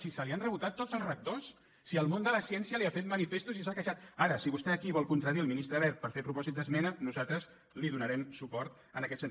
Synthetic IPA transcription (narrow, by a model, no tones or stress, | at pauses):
sisəlianrəβut̪at̪ːozəlˠzrək̚t̪osː | iəlˠmond̪ələsiɛnsiəliafet̪̚mənifest̪uzisakəʃat̪̚aɾəsiβust̪ɛəkiβɔlˠkunt̪ɾəðiəlˠminist̪ɾəβɛɾt̪̚pəɾfepɾupɔzit̪̚d̪əzmɛnənuzat̪ɾəz | liðunəɾɛmsupɔɾt̪ | ənəkɛt̪sənt̪